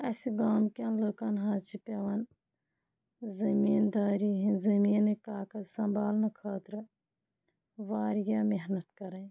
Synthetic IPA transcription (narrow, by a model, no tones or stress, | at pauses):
ɐsiɡaːmkʲaːnloːkanɦɐ̃t͡ʃʰipeʋɐn | zɐmiːnd̪aːɾiɦĩzɐmiːnekaːkɐsɐmbaːlnɐkʰɐːt̪ɾɨ | ʋaːɾjaːmeɦnɐt̪kɐɾɐn